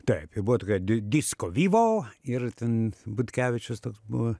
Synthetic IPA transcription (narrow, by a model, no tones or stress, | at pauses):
t̪ɐɪpɪbuʋɔt̪oːkʲɛːdd̪ʲiskoʋʲiːʋoːɪrt̪ʲɛnbʊt̪ʲkʲæːʋʲɪt͡ʃʲʊst̪oːksbṵʋɐ